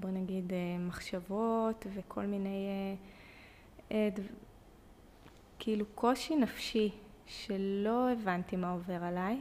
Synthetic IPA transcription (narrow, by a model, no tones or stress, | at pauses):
bonaɡidemaχʃavo̞tvekʰo̞lmineje | edv | kiilukʰo̞ʃinafʃi | ʃelo̞evantimaove̞ʁalaj